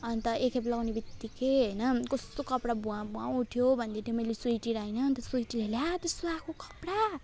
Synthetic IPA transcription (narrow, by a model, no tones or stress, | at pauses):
ʌnt̪ʌʔekʰeplʌɡwnebit̪ːikeɦʌjnʌkʌst̪okʌpɽabuãbuauʈʰjobʱʌnd̪et̪emʌjlesujʈiɾainʌnt̪ʌsujʈileljat̪ʌst̪oakʰokʌ̥pɽa